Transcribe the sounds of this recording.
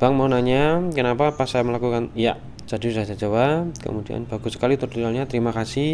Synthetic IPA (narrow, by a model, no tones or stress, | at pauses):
b̥aŋmaunaɲakənapapasajaməlakukanijaʔ | t͡ʃadudasad͡ʒawakə̰mudia̰nb̥aɡusə̥kalit̪ʊrdialɲat̪əɾimakasɪh